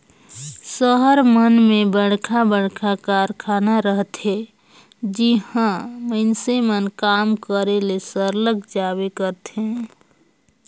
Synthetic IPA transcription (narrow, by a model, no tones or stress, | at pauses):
səɦəɾmənmebəɽ̤kʰabəɽ̤kʰakaɾkʰanaɾəɦt̪ɦe | d͡ʒihãməɪnsemənkamkəɾelesəɾləkd͡ʒaβekəɾt̪ɦẽ